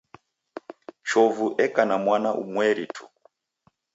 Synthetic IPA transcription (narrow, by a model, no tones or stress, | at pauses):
t͡ʃɔvuʔɛkanamwanaʔṵmwɛɾitʰu̥